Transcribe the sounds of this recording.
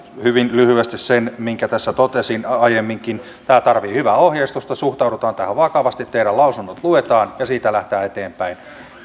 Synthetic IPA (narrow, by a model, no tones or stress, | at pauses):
hyʋinlyhyest̪issenmiŋkæt̪æsːæt̪ot̪esinɑjemːiŋkin | t̪æːt̪ɑrʋiːhyʋæohjeist̪ust̪ɑsuht̪ɑuɾut̪ɑːnt̪æhæʋʋɑkɑʋɑst̪it̪t̪eiɾælɑusunːot̪luet̪ɑːnjɑsiːt̪ælæht̪æːet̪eːmpæin